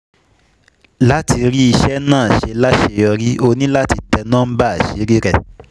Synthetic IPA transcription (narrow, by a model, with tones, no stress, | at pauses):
la˦ti˧ɾi˦i˧ʃɛ˦nãː˦˨ʃe˧la˦ʃe˧ɔ˧ɾi˦o˧nĩ˦la˦ti˧tɛ˧nãː˦ba˦a˨ʃe˨˦ɾi˦ɾɛ˦˨